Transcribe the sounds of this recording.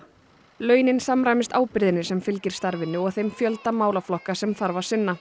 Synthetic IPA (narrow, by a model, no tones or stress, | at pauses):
lœːɥnɪnsamɾajmɪst̪aːwpɪɾðɪnːɪ̥sɛmfɪlcɪɾ̥st̪aɾvɪnːʏɔɣθejmfjœlt̪amaːwlaflɔhkasɛmθaɾvḁsɪnːa